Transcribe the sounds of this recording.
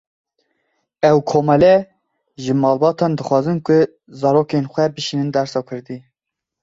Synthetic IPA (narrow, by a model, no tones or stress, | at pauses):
ɛwkʰoːmɛlɛ | ʒɨmɑːlbɑːt̪ʰɑːnd̪ɨxʷɑːzɨnkʊ | zɑːɾoːkenxʷɛbɨʃiːnɨnd̪æɾsɑːkʰɨɾd̪i